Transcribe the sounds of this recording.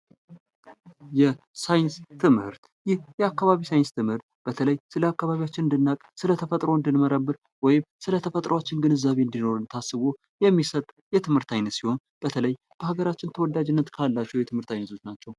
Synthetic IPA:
jɛ | sajɪnst̪ʰɨmhɨ̰ɾt̪ | jɪhjɛakːaβaβisajɪnst̪ʰɨmhɨɾt̪b̥ət̪ʰələjsɨləakːaβaβijat͡ʃːɪnɨnd̪ɨnːakʼsɨlət̪ʰəfət̪ʼɾo̞ɨnd̪ɨnməɾəbːɨɾ | wɔjɪmsɨlət̪ʰəfət̪ʼɾəwat͡ʃːɪnɡɨnɨzːaβe̞ɨnd̪ino̞ɾɨnt̪ʰasːɨβo̞ | jɛmːisət̪ʼ | jɛt̪ʰɨmhɨɾt̪ʰajnːət̪siho̞n | b̥ət̪ʰələj | b̥əhaɡəɾat͡ʃːɪnt̪ʰəwɔd̪ːad͡ʒɪnːət̪kʰalːat͡ʃːɛwjɛt̪ɨmhɨɾt̪ʰajnətso̞t͡ʃnat͡ʃːɛw

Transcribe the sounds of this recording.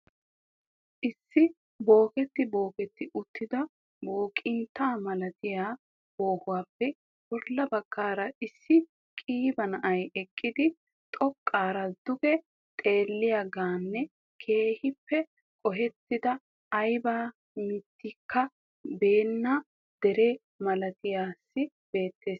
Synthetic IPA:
ʔɪsːɪ | bo̞ːkɛt̪ːɪbo̞ːkɛt̪ːɪʔʊt̪ːɪd̪ɐ | boːkʼɪnt̪ːaːmɐlɐt̪ɪjaː | bo̞ːhʊwaːpːɛ | bɔɾlːɐbɐkːaːɾɐɪsːɪ | kʼiːbɐnɐʔɐjɛkʼːɪd̪ɪ | t̪ʼɔkʼːaːɾɐd̪ʊɡɛ | t̪ʼe̞ːlːɪjɐɡaːnːɛ | kʰe̞ːhɪpːɛ | kʼɔɦɛt̪ːɪd̪ɐː | jbaː | mɪt̪ːɪkːɐ | be̞ːnːɐ | d̪̥ɛɾɛ | mɐlɐt̪ɪjaːsːɪ | b̥e̞ːt̪ːe̞ːs

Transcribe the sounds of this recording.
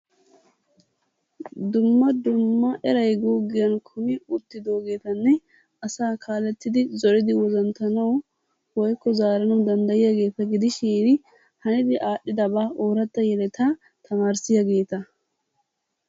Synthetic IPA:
d̪ʊmːɐd̪ʊmːɐʔɛɾɐjɡuːɡɪjɐnkʰʊmɪʊt̪ːɪd̪o̞ːɡe̞ːt̪ɐnːɛ | ɐsaːkʰaːlɛt̪ːɪd̪ɪzɔɾɪd̪ɪwɔzɐnt̪ɐnɐw | wɔjkːɔzaːɾɐnɐwd̪ɐnd̪ɐjɪjaɡe̞ːt̪ɐɡɪd̪ɪʃiːn | hɐnɪd̪ɪʔaːɗːɪd̪ɐbaːʔoːɾɐt̪ːɐjɛlɛt̪a | t̪ʰɐmaːɾsɪjaɡe̞ːt̪ɐ

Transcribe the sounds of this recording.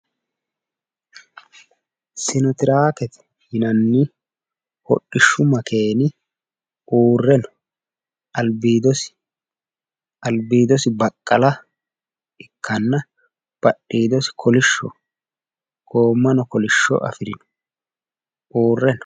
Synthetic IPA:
sɪnɔt̪ɪɾaːkɛt̪ɛ̥ | hɪnɐnːɪ | hɔ̰ɗːɪʃːʊmɐkʰe̞ːnɪ | ʔuːrːɛnɔ | ʔɐlbiːd̪ɔsɪ̥ | ɐlbiːd̪ɔsɪbɐkʼːɐlɐ | ɪkʰːɐnːɐ | b̥ɐɗːiːd̪ɔsɪ̥kʰɔlɪʃːɔ̰ | ɡ̥o̞ːmːɐnɔkɔlɪʃːɔ̰ʔɐ̰fɪɾɪnɔ̥ | ʔuːrːɛnɔ

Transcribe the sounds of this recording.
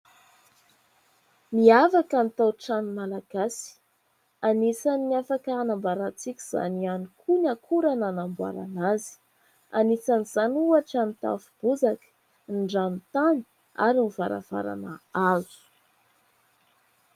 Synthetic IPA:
miafakanit̪awʈ͡ʂanimalaɡ̥asi̥ | anisanːiafakaanambaɾat͡sikʲiz̥a̰nianukʰunakʰuɾananambwa̰ɾa̰nazi̥ | a̰nisaniz̥anuaʈ͡ʂanit̪a̰fub̥uzakə̥ | nɖ͡ʐamit̪ani̥ | a̰ɾinivaɾa̰v̥a̰ɾa̰nəazu̥

